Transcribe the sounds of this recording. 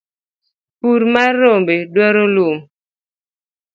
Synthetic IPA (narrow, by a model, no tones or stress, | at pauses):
puɾmaɾombedwɛɾolum